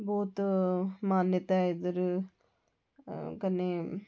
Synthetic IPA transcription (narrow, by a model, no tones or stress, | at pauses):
boːt̪maːnjət̪ad̪ɐɾ | kɐnːe